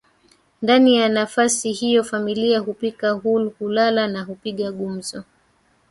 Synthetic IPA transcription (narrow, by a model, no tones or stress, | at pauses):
ndanijanafasihijɔfamiliaɦupikahulhulalanahupiɠaɠum̩zɔ